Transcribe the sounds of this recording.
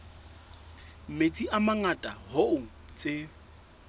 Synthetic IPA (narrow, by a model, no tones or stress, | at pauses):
m̩met͡sʼiʔamaŋatʼahoʊŋ̩t͡sʼe